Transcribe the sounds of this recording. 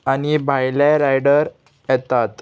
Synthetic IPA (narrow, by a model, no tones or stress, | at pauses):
añibʱajlaɾajɽəɾ | jɛt̪at̪